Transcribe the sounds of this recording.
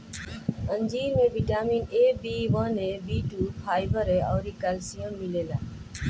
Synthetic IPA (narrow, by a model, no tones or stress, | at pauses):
ənd͡ʒiːɾmẽːʋiʈaːmiːneːbiːʋənẽːbiːʈuːpʰaːɪʋəɾeɔːɾiːkaːlsijəmmɪleːlaː